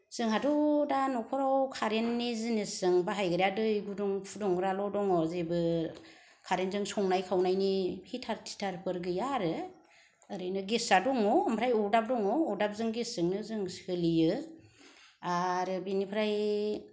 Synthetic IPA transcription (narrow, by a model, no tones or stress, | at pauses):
z̥ɯŋhadɔdanɔkʰɔɾawkʰaɾenːizinisɯŋbaɦajɡɯɾjadɯjɡuduŋpʰudɔŋɾalɔdɔŋɔzebɯ | kʰaɾenzɯŋsɔŋnajkʰawnajnihitʰaɾtʰi̥tʰaɾpʰɯɾɡɯjaɾɯː | ɾɯjnɯɡisadɔŋɔɯmpʰɾajɔɾdap̚dɔŋɔːdap̚zɯŋɡiszɯŋnɯzɯŋskɯlijɯ | aɾɯbinipʰɾaj